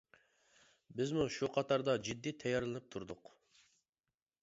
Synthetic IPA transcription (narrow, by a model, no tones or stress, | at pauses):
bɪzmuʃuqʰɑt̪ʰɑɾd̪ɑd͡ʒid̪ːit̪ʰɛjɑɾlˠɨnɨp̚t̪ʰuɾd̪ʊq